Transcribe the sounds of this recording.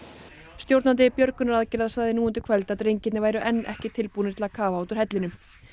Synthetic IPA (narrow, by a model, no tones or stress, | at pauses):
st̪jowɾt̪nant̪̬ɪpjœɾkʏnaɾaðcɪlaðsaːɣðɪnuːʏnt̪ɪ̥kʰvɛlt̪aðɾejɲcɪt̪nɪvaːjɾʏʔɛnːɛ̰hcɪt̪ʰɪlpuːnɪ̥t̪ʰɪlakʰaːvaawt̪ʏɾ̥hɛt̪lɪnʏ